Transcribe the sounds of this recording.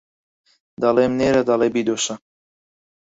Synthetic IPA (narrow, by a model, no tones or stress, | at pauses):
d̪ɑleːmneːɾɐd̪ɑlebid̪oːʃɐ